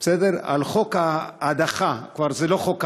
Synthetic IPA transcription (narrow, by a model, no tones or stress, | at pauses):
esed̪eʁa̰lχokaːd̪aχakvaɾzeloχok